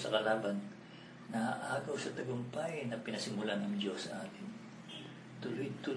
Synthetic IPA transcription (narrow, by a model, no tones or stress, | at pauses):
sɐkɐlaːbɐn | nɐaʔaːɡɐwsɐt̪ɐɡʊmpajnɐpɪnɐsɪmʊlanɐŋd͡ʒo̞sːɐʔaːt̪ɪn | t̪ʊlojt̪ʊ